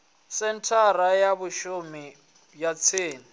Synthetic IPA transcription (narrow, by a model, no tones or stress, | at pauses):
sɛn̩tʰarajabʊʃʊmɪ | bjat͡sʰeːnɪ